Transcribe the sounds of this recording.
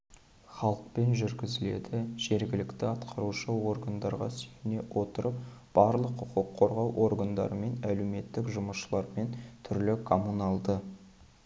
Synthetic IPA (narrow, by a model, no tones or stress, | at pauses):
χɑlˠəq̚pe̞nʒʏɾɡʲɪzɪle̞̰d̪ɪʒ̥e̞ɾɡʲɪlɪkt̪ɪɑt̪qʰɑɾuʃəwo̞ɾɡand̪ɑɾʁɑ̰sɵjɪne̞wʔo̞t̪əɾəp̚ | b̥ɑɾlˠəqʰːʊqʊqʰːo̞ɾʁɑwʔo̞ɾɡand̪ɑ̰ɾəme̞næle̞wme̞t̪ːɪkʒʊməʃəlˠɑɾme̞nt̪ʰʏɾlɪkʰomunɑlˠd̪ə